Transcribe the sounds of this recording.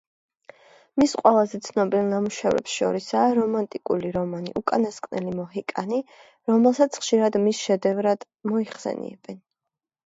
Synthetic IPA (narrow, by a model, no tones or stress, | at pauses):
misqʼwɛlˠazɛt̪sʰnɔbialnamuʃɛvɾɛ̰psʃɔ̰ɾisaːɾɔmant̪ʼikʼuliɾɔmanḭʔukʼanaskʼnɛlimɔɦikʼani | ɾɔmɛlˠsat̪sʰχʃiɾad̪misʃɛd̪ɛvɾad̪̥ | mɔiχsɛ̰nḭɛ̰b̥ɛn